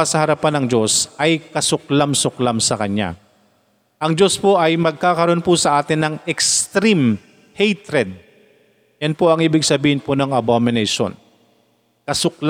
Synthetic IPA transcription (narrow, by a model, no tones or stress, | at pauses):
ɐsɐhɐɾɐpanɐŋd͡ʒo̞sʔɐjkɐsʊklamsʊklamsɐkɐɲa̰ | ʔɐŋd͡ʒo̞spoʔɐjmɐɡ̚kaːkɐɾo̞npʊsɐʔaːt̪ɪnːɐŋɛkst̪ɾim | hejt̪ɾɛd̪̚ | jɐnpoʔɐŋʔiːbɪɡsɐbiːhɪnponɐŋɐbomɪnɛʃo̰n | kɐsʊkl